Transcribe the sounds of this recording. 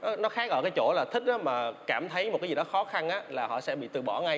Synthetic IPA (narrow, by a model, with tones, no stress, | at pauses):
nɔ˨˦nɔ˨˦xaː˨˦ɣɔ̰˧˨jkaː˨˦jt͡ɕo̰˧˩laː˨˩t̪ʰï˦˥k̟̚ʔaː˨˦maː˨˩kaː˧˩mt̪ʰə˨˦jmo˨˩t̚kːaː˨˦zi˨˩ɗɔ˨˦xɔ˨˦xa˧nʔaː˨˦laː˨˩hɔ̰˧˨sɛ̰˧˥ɓḭ˧˨t̪ɨ˨˩ɓɔ̰˧˩ŋa˧j